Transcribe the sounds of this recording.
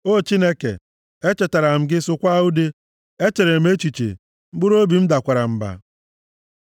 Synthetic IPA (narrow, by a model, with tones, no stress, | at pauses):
o˦˨t͡ʃi˦ne˦kḛ˨ | e˦t͡ʃe˨ta˨ɾa˨m̩˨ɡɪ˦sʊ˦kʷa˦u˦de˦ | e˦t͡ʃe˨ɾe˨m̩˦e˦t͡ʃi˨t͡ʃḛ˨ | ŋ͡m̩˦ɡ͡bʊ˦ɾo˦bi˨m̩˦da˨kʷa˨ɾa˨m̩˨ba̰˨